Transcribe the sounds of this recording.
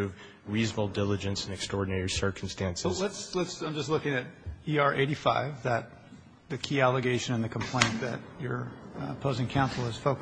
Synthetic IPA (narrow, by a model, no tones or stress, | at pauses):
ʉv | ɹizl̩ˠdɪlˠəd͡ʒɨ̃nsnɨkstɹ̥ɔɹdⁿnɛɹisɜ˞kʰm̩stæ̃nslətslətsãɪ̃md͡ʒʌstˡlʊkɪ̃ŋɨɾiɑɹʔeɪɾifaɪvðɨt̪̚ | ðɨkʰiælˠəɡeɪʃɨ̃nɨ̃nðɨkʰm̩pʰl̥ẽɪ̃nðɨ̰t͡ʃə˞pʰoʊzɪ̃ŋkʰãʊ̃nsl̩ˠɨz̥foʊk